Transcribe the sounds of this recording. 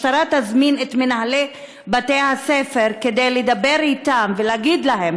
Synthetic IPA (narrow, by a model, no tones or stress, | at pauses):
taɾat̪azminet̪menɦale | bat̪ejhasefe̞ɾked̪ejled̪abe̞ɾit̪amveleaɡid̪lahem